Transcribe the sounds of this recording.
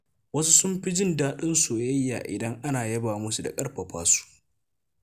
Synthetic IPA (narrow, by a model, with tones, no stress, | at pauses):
wɐ˦su˦sʊ˦mɸi˦d͡ʒɪ˦ndaː˦ɗɪ˦nsuː˨jɐ˦jːa̰ː˨ʔɪ̰˨dɐ˦ŋʔa˦naː˨jɐ˦baː˨mʊ˦su˨da̰˨kʼɐ˦rɸɐ˨ɸa̰ː˦su̥˦ʔ